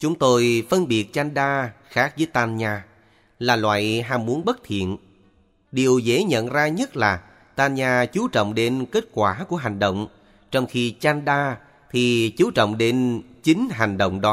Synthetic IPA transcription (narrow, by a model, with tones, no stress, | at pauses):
t͡ɕʊ˨˦ŋ͡mt̪o˧jfə˧nɓi˨˩ət̚t͡ɕa˧nɗaː˧xaː˦˥k̚zəː˨˦jt̪aː˧nɲaː˧ | laː˨˩lwa̰ː˧˨jɦaː˧mmu˨˦ənɓə˦˥t̚t̪ʰḭ˧˨ən | ɗi˨˩əwze˨˦ɲə̰˧˨nzaː˧ɲə˦˥t̚laː˨˩ | t̪aː˧nɲaː˧t͡ɕu˨˦t͡ɕɔ̰˧˨wŋ͡mɗe˨˦nke˦˥t̚kwaː˧˩ku˧˩əɦa˨˩ŋ̟ɗə̰˧˨wŋ͡m | t͡ɕɔ˧wŋ͡mxi˧t͡ɕa˧nɗaː˧ | t̪ʰi˨˩t͡ɕu˨˦t͡ɕɔ̰˧˨wŋ͡mɗe˨˦nt͡ɕi˨˦ŋ̟ɦa˨˩ŋ̟ɗə̰˧˨wŋ͡mɗɔ˨˦